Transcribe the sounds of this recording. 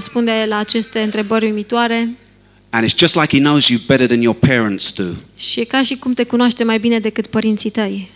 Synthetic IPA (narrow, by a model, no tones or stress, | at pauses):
spund̪eelaːt͡ʃe̞st̪e̞ɨnt̪ɾe̞bərʲmimit̪oaɾe̞ | ə̃ñɪtsd̥ʒ̥ʌstˡlaɪkhinoʊzjɨbɛɾəðə̃njəpʰɛɹə̃ntstʰʉ̰ʃikaʃikumt̪e̞kunoaʃt̪emajbine̞d̪e̞kɨt̪pəɾint̪sit̪əj